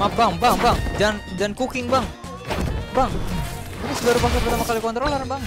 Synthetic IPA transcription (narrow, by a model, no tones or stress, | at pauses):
mabaŋbaŋbaŋd͡ʒand͡ʒankukɪŋbaŋ | baŋ | apisudaɾupakapərt̪amakalikɔnt̪ɾolərbaŋ